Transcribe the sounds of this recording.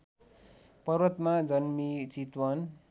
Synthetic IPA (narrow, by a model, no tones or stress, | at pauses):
pʌrwʌt̪mad͡zʌnmit͡sit̪wʌn